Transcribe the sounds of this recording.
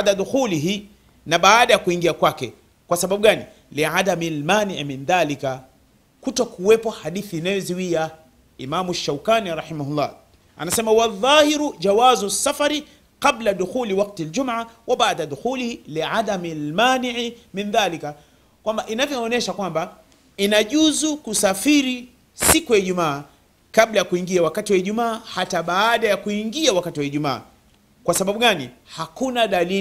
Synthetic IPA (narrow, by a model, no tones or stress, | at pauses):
daðuxuliɦi | naɓaːɗajakuiŋɡiakwakɛ | kwasaɓaɓuɡanḭ | liʕadamilmaːniʕiminðalika | kutɔkuwɛpɔhaɗiθiːnajɔziwia | imamuaʃːawkaniɾɑħimahulːɑ̰ː | a̰nasɛmawaðːɑːhiɾud͡ʒawazusːafaɾi | qabladuxuːliwaq̚tald͡ʒumʕawaɓaʕdaðuxulihiliʕadamilmaːniʕiminðaːlika | kwambaʔinavjɔːnɛʃakwamba | inaʄuzukusafiɾi | sikujaiʄumaː | kaɓlajakuiŋɡiawakatiwaiʄumaːhataɓaːɗajakuiŋɡiawakatiwaiʄuma̰ː | kwasaɓaɓuɠanihakunaɗalii